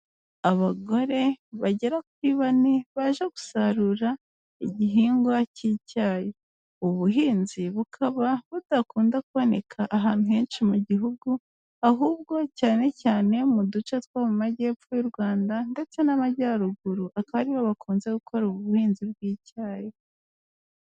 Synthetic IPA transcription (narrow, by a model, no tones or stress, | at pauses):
aβaɡo̞ɾe̞βaɟe̞ɾakwiβaniβaʒeɡusaɾuɾa | iɟiɦiːŋɡwaciːcaːje | uβuɦiːnziβukʰaβaβud̥akuːndakuβo̞ne̞kʰaʔːɦaːn̥huhe̞ːnʃimuɟiɦuɡu | aɦuːb̚ɡo̞caːne̞caːne̞mudut͡ʃotkwamumaɟe̞ːpfojuɾɡwaːndande̞t͡se̞namaɟaɾuɡuɾuʔakaβaɾiβaβakʰuːnze̞ɡukʰo̞ɾuβuhiːnziβɡwiːcaːje